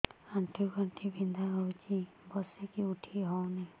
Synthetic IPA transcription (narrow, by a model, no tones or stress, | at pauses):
aɳʈʰiwkaɳʈʰibind̪ʱaɦɔwt͡ʃi | bɔsekiuʈʰiɦɔwnaj